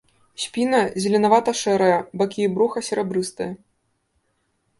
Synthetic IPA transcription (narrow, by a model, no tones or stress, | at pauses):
sʲpʲinɐzʲɐlʲɛnavat̪ɐʂɛɾɐjɐbakʲibɾuxɐsʲɛɾɛbɾɨst̪ɨjɐ